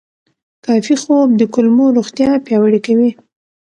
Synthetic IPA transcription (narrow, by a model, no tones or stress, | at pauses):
kɑfixob̚d̪əkʊlmoɾoxt̪jɑpjɑwəɽikawi